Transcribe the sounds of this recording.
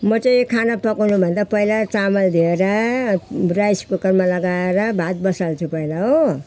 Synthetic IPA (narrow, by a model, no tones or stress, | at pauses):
mʌt͡sʌjĩkʰanapʌkawnubʱʌnd̪apʌilat͡samʌld̪ʱieɾʌ | rajspokʌrmalʌɡaeɾʌbʱat̪̚bʌsalt͡sʰupʌilaɦo